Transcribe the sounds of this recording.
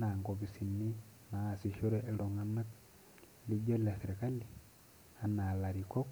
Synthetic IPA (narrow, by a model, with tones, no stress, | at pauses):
na˨ŋko˨bi˨si˨nːi˦naː˨si˨ʃo˦ɾe˦ʔe˨lo˨ŋa˨na˦k | lu˦ɟo˦la˨se˨ɾe˨ka˦li˨ | a˨na˨la˨ɾi˨kɔ˦k